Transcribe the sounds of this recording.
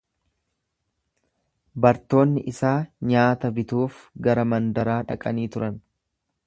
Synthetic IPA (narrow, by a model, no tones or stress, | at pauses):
bɐɾt̪o̞ːnːɪʔɪsaːɲaːt̪ɐbɪt̪uːfɡɐɾɐmɐnd̪ɐɾaːᶑɐ̰kʼɐniːt̪ʊɾɐn